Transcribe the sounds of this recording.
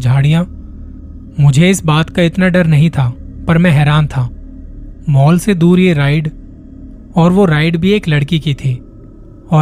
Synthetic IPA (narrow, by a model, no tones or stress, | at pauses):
d͡ʒʱaːɽijã | mʊd͡ʒʱeɪsbaːt̪kaɪt̪naɖɐɾnɐɦĩt̪ʰapɐɾmɛ̃ɦɛːɾaːnt̪ʰaː | mɔːlsed̪uːɾjeɾaːɪɖ | ɔːɾʋoɾaːɪɖbʱieːklɐɽkikit̪ʰiː | ɔː